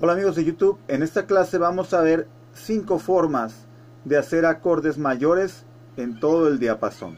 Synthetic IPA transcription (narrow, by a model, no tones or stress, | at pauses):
olamiɣo̞zðeʝut̪uβe̞ne̞st̪aklase̞βamo̞saβe̞ɾ | siŋko̞fo̞ɾmaz | ðe̞ase̞ɾako̞ɾðe̞zmaʝo̞ɾe̞s | e̞nt̪o̞ðoe̞ld̪iapaso̰n